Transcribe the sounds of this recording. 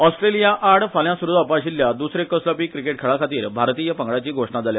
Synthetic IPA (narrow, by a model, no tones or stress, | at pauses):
ɔsʈɾelijaʔaɽfaljãsuɾud̪apaɕilːjad̪usɾekːəsləpiːkɾikeʈ̚kʰeɭakʰat̪iːɾbʱaɾt̪iːjəpəŋɡɭat͡ɕiːɡʱoʂɳad͡zalja